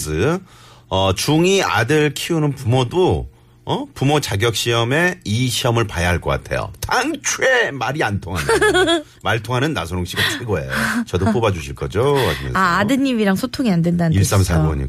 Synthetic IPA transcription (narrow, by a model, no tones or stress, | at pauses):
sɯ | ʌt͡ɕuŋia̰dɯɭkʰiunɯnpumodo | ʌpumot͡ɕaɡjʌk̚ɕ͈iʌme̞iɕʰiʌmɯɭpajaɦaɭk͈ʌk͈a̰tʰe̞̰jo̰taŋt͡ɕʰue̞maɾiantʰoŋɦan | maɭtʰoŋɦanɯnːa̰sʰoɾoŋɕ͈iɡat͡ɕʰeɡoḛjot͡ɕʌdop͈obad͡ʑuɕʰiɭk͈ʌd͡ʑoaimjʌ̰naːdɯɲimiɾaŋsʰotʰoŋiandwendanis͈amsʰamoɲḭ